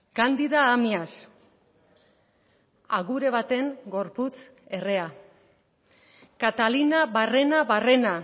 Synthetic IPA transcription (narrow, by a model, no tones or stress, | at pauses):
kand̪iðaːmias | aɣuɾe̞β̞at̪e̞ŋɡo̞ɾput͡s | e̞re̞a | kat̪alinaβare̞naβare̞na